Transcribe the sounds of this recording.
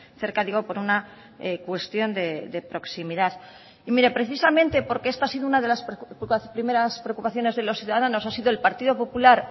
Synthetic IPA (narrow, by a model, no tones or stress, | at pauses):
θe̞ɾkaðiɣo̞po̞ɾuna | ekwe̞st̪jo̞nd̪e̞d̪e̞pɾo̞ksimiðað | imiɾe̞pɾe̞θisamẽ̞nt̪e̞po̞ɾkeest̪asiðounaðe̞laspɾime̞ɾaspɾeokupaθjo̞ne̞zðe̞lo̞sθjuðaðano̞sasiðoelpaɾt̪iðo̞po̞pulaɾ